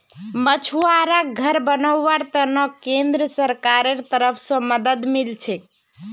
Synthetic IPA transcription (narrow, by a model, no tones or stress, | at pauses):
mət͡ʃʰuaɾaɡʱəɾbənəwːaɾt̪ənɔkẽnd̪ɾəsəɾkaɾeɾt̪əɾəpʰsə̃məd̪əd̪milt͡ʃʰɛk